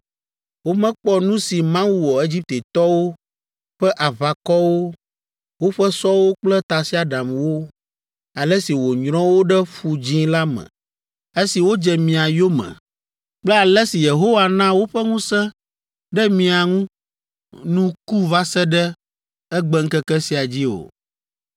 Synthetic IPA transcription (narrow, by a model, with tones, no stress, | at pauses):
wo˦mɛ̃˦k͡pɔ˦nũ˦si˨mã˦wu˦wɔ˨e˦d͡ʑi˦p̚t̪e˨t̪ɔ˦wo˦ | ɸɛ˦ʔa˨va˨kɔ˦wo˦ | wo˦ɸɛ˦sɔ˦wo˦k͡plɛ˦t̪a˨si˦a˦ɖa˨mwo˦ | a˨lɛ˦si˨wo˨ɲɾ̃ɔ̃˦wo˦ɖɛ˦ɸu˨d͡ʒĩ˦la˦mɛ̰̃˨ | e˦si˨wo˦d͡ʒɛ˨mĩ˨a˨jo˦mɛ̰̃˨ | k͡plɛ˦a˨lɛ˦si˨je˨ɦo˦wa˨nã˦wo˦ɸɛ˦ŋũ˦sɛ̃˦ | ɖɛ˦mĩ˨a˨ŋũ˦ | nũ˦ku˦va˦sɛ˦ɖɛ˦ | ɛ˦ɡ͡bɛ˦ŋ̩˦kɛ˦kɛ˦si˨a˨d͡ʑi˦o̰˨